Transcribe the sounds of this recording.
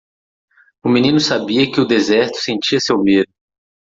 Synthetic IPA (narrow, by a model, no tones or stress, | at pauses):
ʊmĩnĩnʊsabiɐkɪʊd̪ezɛɾt̪ʊ̥sẽnt͡ʃiɐsewmed̪ʊ